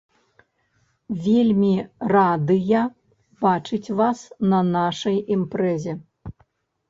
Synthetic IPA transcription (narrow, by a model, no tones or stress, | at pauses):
vʲelʲmʲirad̪ɨjɐ | bat͡ʂɨt͡sʲvasnɐnaʂɐjimpɾɛzʲɛ